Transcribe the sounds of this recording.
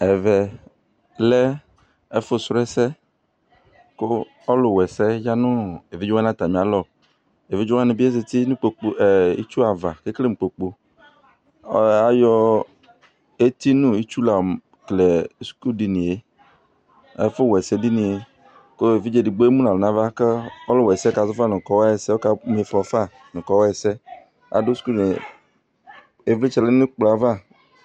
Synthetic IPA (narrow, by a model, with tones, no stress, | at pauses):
ɛ˨vɛ˨ | lɛ˦ | ɛ˦fʊ˦sɾɛ˦sɛ˦ | ko˦ | ɔ˦lʊ˨wɛ˨sɛ˦ja˦nʊ̃˦e˨vi˦d͡ʒʊ˦ã˦nã˦t̪a˨mĩ˨a˨lɔ˨ | e˨vi˦d͡ʒʊ˦a˦nɪ̃˨bi˦e˦s̬ɪ˨t̪i˦nʊ̃˦k͡po˨k͡po˨ɛ˨ḭ˦t͡ʃu˦a˨va̰˨ke˦kle˦m̩˨k͡po˨k͡po˨˦ | a˨jɔ˦ | e˦t̪i˦nũ˦i˦t͡ʃu˦la˨m | kle˨˦sku˦di˨nĩ˨e˦ | ḛ˦fʊ˦wɛ˨sɛ˦di˦nĩ˨e˦ | ko˦e˨vi˦d͡ʒe˦di˨ɡ͡bo˦e˦mũ˦a˨lnã˦va˦ke˦o˦lo˦wɛ˨sɛ˦ka˨zʊ˦fa˦nʊ̃˨kɔ˨˦wa˦ɛ˨sɛ˦wo˦ka˨m˨e˨fɔ˨˦fa˦ | nʊ̃˨kɔ˨˦wɔ˦ɛ˨sɛ˦ | a̰˨do˦sku˦i˨n˨ | e˨˦vli˦t͡ʃɛ˨le˦nũ˦k͡plɔ˨a˨va˦˨